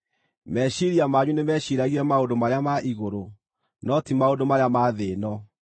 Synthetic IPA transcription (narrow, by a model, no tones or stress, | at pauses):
mɛɕiɾiamaɲunemɛɕiɾaɣiɾɛmaondomaɾeamaʔiɣoɾo | nɔtimaodomaɾeamaðeːnɔ